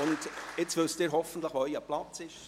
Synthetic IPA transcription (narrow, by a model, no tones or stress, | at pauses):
ʊndɪt͡svʏstɪːɾɦɔfən̩t̪ləχʋoœʏɑplɑt͡sɪʃ